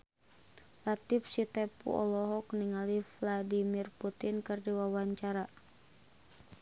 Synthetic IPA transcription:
lat̪ifsit̪ɛpṵɔ̰lɔɦɔkniŋalivladimirput̪inkɨrdiwawaɲt͡ʃaɾa

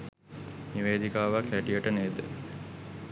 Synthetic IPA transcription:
niʋeːd̪ikaːʋakæʈijəʈəneːd̪ə̰

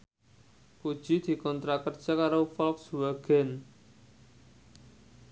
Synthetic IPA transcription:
kud̥ʒ̥i̤d̪̥i̤kɔnt̪ɾakərd̥ʒ̥a̤kaɾofɔlksuwaɡ̥ɛn

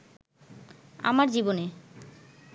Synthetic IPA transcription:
a̰maɾd͡ʑibone

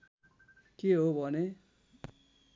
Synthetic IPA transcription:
keɦobʱʌne

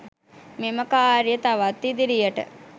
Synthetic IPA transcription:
meməkaːɾjət̪aʋat̪ːid̪iɾijəʈə̰

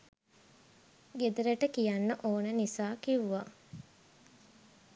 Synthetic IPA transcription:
ɡed̪əɾəʈəkijanːəʔoːnənisaːkiʋuʋa

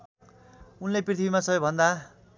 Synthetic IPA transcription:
unleprit̪ʰibimasʌbʌjbʱʌnd̪a

